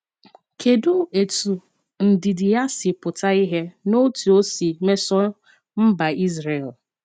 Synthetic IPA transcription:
kʰe˨dʊ˦e˨tu˨ | n̩˨dɪ˨dɪ˨ja˦sɪ˨pʊ˨ta˦i˦ɦe˦no˦tu˨o˦si˨me˦sɔ˦ | m̩˦ba˨i˦zɾe˨l

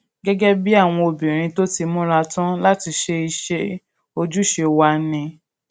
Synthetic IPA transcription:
ɡɛ˦ɡɛ˦bi˦a˦˨w̃ɔ̃˧o˧˨bĩ˨ɾ̃ĩ˧to˦ti˧mũ˦ɾa˧tã˦la˦ti˧ʃe˧i˧ʃe˧ | o˧d͡ʒu˦ʃe˧wa˦nĩ˧

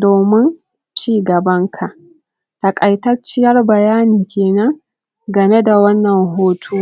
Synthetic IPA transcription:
doː˨mɪ˦n | t͡ʃiː˦ɡɐ˨bɐ˦ŋkʰa˨ʔ | ta˨kʼɐ˨jtɐ˦ɽt͡ʃɪ˦jɐ˦rbɐ˨jaː˦niː˨kʲeː˨nɐ˦ŋ | ɡɐ˨me˦da˨wɐ˦nːɐ˨ŋɦoː˦tʰuː˦

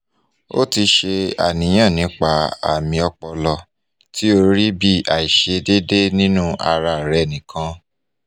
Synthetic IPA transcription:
o̰˦ti˧ʃe˧a̰˨nĩ˨˦j̃ã˦˨nĩ˨˦k͡pa˧˨a̰˨mĩ˧ɔ˧k͡pɔ˧lɔ˧ | ti˦o˧ɾi˦bi˦˨a˨i˨ʃe˧de˦de˦nĩ˦nũ˦a˧ɾa˧˨ɾɛ˨nĩ˨kʰã˧˦

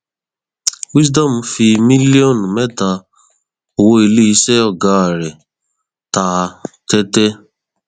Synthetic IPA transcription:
wi˦sda˦˨m̩˨˧fi˧mi˦li˦ɔ˦˨n˨mɛ˦ta˧ | o˨wo˧e˨li˦i˦sɛ˦ɔ˦˨ɡa˨˦a˨ɾɛ˨ | ta˨˧tɛ˦tɛ˦

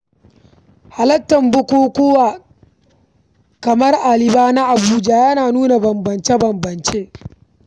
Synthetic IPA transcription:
ha˨lɐ˦tːɐ˨mbʊ˦kʷoː˦kʷʊ˦waː˨ | kɐ˨mɐ˦rʔa˨lɪ˦baː˦na˦ʔa˨buː˦d͡ʒa˦jɐ˦naː˨nuː˦na˨bɐ˨mbɐ˨nt͡ʃe˦bɐ˨mbɐ˨nt͡ʃeː˦

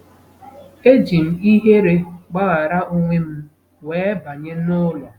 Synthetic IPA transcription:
e˦d͡ʒi˨m̩˨i˦ɦe˦ɾe˦ɡ͡ba˦ɣa˨ɾa˦ʔo˦ŋʷe˦m̩˦ | weː˨˦ba˨ɲe˦nʊ˦lɔ˨

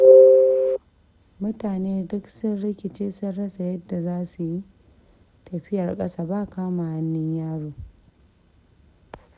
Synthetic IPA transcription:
mʊ˦taː˨neː˦dʊ˦ksɪ˦nɽɪ˦kʲɪ˨t͡ʃeː˦sʊ˦nɽɐ˦sa˨jɐ˦dːa˨zaː˦su˨ji˦ | tɐ˨ɸɪ˦jɐ˨rkʼɐ˦saː˨ba˦ʔkaː˦ma˨ha˦nːɪ˦ɲjaː˦ɽoː˨

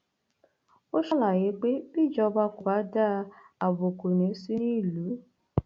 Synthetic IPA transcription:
o˦ʃɔ˦la˨je˨˦k͡pe˦bi˦˨d͡ʒɔ˧ba˧ku˨a˨˦da˦a˨bo˨ko˨nẽ˨˦si˦nĩ˦˨lu˨˦

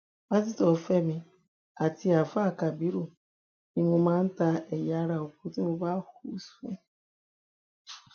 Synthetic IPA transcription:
a˦zi˦tɔ˨fe˦me˨ | a˨ti˦a˨fa˦˨ka˨bi˦ɾu˨ | i˦ŋʷu˦ma˦n̩˦ta˦e˨ja˦ɾa˨o˨k̚u˦ti˦mu˦ba˦hu˦se˦

